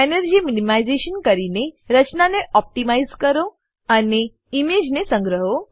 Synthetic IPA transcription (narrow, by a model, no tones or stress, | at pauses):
enəɾd͡ʒiminimaizeʃənkəɾineɾət͡ʃnaneʔɔp̚ʈimaizkəɾo | əne | imed͡ʒnesə̃ŋɡɾəɦo